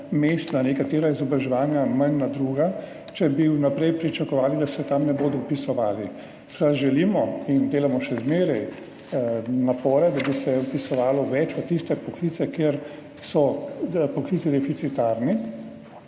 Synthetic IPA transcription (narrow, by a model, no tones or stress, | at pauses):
meːst̪nanekat̪eːɾaizɔbɾaʒɛʋaːnjamanːad̪ɾuːɡa | t͡ʃɛbiunapɾɛjpɾit͡ʃakɔʋaːlid̪asɛt̪amnɛboːd̪ɔwpisɔʋaːli | skɾad̪ʒɛliːmɔind̪eːlamɔʃɛzmeːɾɛj | napɔːɾɛd̪abisɛɔpisɔʋaːlɔʋɛt͡ʃʋat̪ist̪ɛpɔkliːt̪sɛkeɾ | sɔpɔkliːsid̪ɛfit̪sit̪aɾni